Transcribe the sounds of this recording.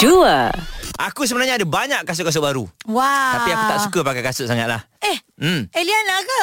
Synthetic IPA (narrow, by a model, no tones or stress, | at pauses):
duəʔakus̬əbənarɲaːdəbaɲaʔkːas̬ʊʔkas̬ʊʔ̚baɾṵwat̪apiakut̪aʔsukəpakakasʊʔ̚saŋat̪̚lah | ɛh̩elianaɡə